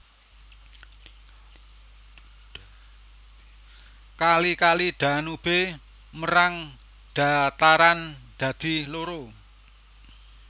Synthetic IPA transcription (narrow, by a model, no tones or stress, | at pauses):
kalikaliɖ̪̥a̤nub̥e | məɾaŋ | ɖ̥a̤t̪aɾand̪̥a̤d̪̥i̤loɾo